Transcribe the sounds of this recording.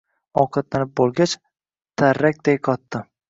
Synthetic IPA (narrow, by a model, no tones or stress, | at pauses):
ɒqʰɑt̪lanɪp̚bolˠɡʲat͡ʃ | t̪ʰaɾːak̚ʲd̪ajqʰɒt̪ːɪ